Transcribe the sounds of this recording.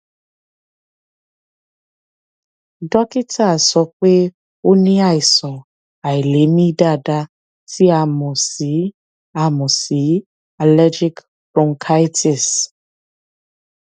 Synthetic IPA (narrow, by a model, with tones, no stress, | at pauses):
dɔ˦ki˦tʰa˦˨sɔ˧˦k͡pe˦ | o˦nĩ˦a˦˨i˨sɔ̃˨ | a˨i˨le˨˦mĩ˦da˦˨da˧˦ | ti˦a˧mɔ̃˨si˨˦ | a˧mɔ̃˨si˨˦ | a˨lɛ˦d͡ʒi˦k | pɾɔ̃˧˦ŋkʰa˦i˦ti˨s